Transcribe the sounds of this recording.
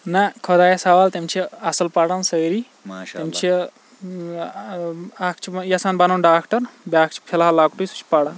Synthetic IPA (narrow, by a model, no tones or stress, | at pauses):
nɐkʰɔd̪aːjesɐʋaːlt̪emt͡ʃʰiɐsɐlpɐɽansɐːɾi | emt͡ʃʰi | akʰt͡ʃʰijɐsanbɐnɐwnɖaːkʈɐɾbʲaːk̚ʰt͡ʃʰi̥pʰelaɦalaːkʈujsu̥t͡ʃʰi̥pɐɽan